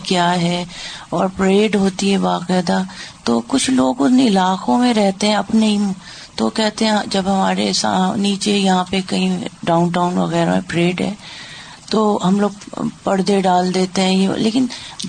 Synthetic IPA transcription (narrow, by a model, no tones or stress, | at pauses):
kjaːɦɛːɔːɾpɾeːɖɦoːt̪iɦɛbaːqɛːd̪at̪oːkʊt͡ʃʰloːɡʊt̪neɪlaːqõmẽɾɛɦt̪eɦɛ̃ɐpneim | t̪okɛɦt̪eɦɛ̃d͡ʒɐbɦɐmaːɾḛsa̰niːt͡ʃejɐɦãpekɐɦĩɖaːʊnʈaːʊnʋɐ̰ɣɛːɾamẽpɾeːɖɦɛ̰ː | t̪oɦɐmloːɡpɐɽd̪eɖaːld̪eːt̪eɦɛ̃jelḛːkɪn